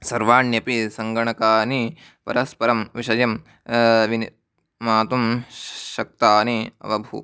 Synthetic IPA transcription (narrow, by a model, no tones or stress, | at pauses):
sɐɾʋaːɳjɐpisɐŋɡɐɳɐkaːni | pɐ̰ɾɐspɐɾɐmʋiʃɐjɐm | ʋiniː | aːt̪umʃɐk̚t̪aːniɐ̰ʋɐbʱṵ